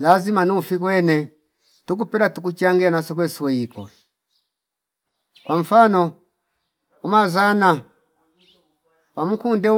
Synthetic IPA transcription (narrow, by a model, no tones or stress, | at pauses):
lazimanufikwɛnɛ | tuk̬upɛɾatuk̬ut͡ʃaŋɡɛanasɔkwɛswɛikɔ̰ | kwaɱ̩fanɔ | umazana | wam̩kundɛu